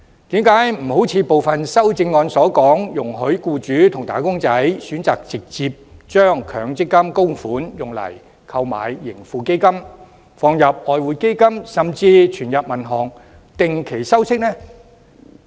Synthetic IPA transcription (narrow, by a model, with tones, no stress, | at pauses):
t̪iː˨˥mkaː˨˥jm̩˨˩ho˨˥wt͡sʰiː˨˧po˨wfɐ˨nsɐ˥wt͡sɪ˧ŋːɔː˧nsɔː˨˥kɔː˨˥ŋjʊ˨˩ŋɦɵ˨˥ɥkuː˧t͡ʃyː˨˥t̪ʰʊ˨˩ŋt̪aː˨˥kʊ˥ŋt͡sɐ˨˥jsyː˨˥nt͡sa̰ː˨k̚t͡sɪ˨k̚t͡siː˧p̚t͡ʃœː˥ŋkʰœ̰ː˨˧ŋt͡sɪ˥kːɐ˥mkʊ˥ŋfuː˨˥njʊ˨˩ŋlɐ̰˨˩j | kʰɐ˧wma̰ː˨jːɪ˨˩ŋfuː˨˧ke˥jkɐ˥m | fɔː˧ŋjɐ˨p̚ɔː˨˧jwuː˨˧jke˥jkɐ˥msɐ˨mt͡siː˧t͡ʃʰyː˨˩njɐ˨p̚mɐ˨˩nɦɔː˨˩ŋ | t̪ɪ˨ŋkʰe˨˩jsɐ˥wsɪ˥k̚nɛː˥